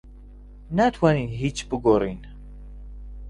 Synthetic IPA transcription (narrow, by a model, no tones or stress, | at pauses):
nat̪ʰwaninɦit͡ʃbɨɡorin